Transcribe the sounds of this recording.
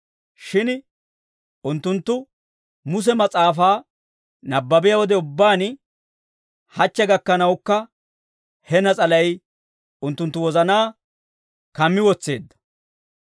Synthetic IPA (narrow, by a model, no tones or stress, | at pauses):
ʃɪn | ʊnt̪ːʊnt̪ːʊ | mʊs̬ɛmɐt͡sʼaːfaː | nɐbːɐbɪjɐwɔd̪ɛʊbːaːn | hɐt͡ʃːɛɡɐkːɐnɐwkːɐ | hɛnɐt͡sʼɐlɐj | ʊnt̪ːʊnt̪ːʊwɔzɐnaː | kɐmːɪwɔt͡sːe̞̰ːd̪ːɐ̥